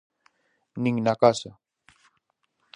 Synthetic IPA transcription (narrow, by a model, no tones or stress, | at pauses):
nɪŋnakasa